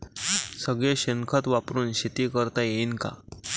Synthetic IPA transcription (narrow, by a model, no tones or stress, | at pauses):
səɡɭeɕəŋkʰət̪ʋapɾuːnɕit̪iːkəɾt̪ajenka̰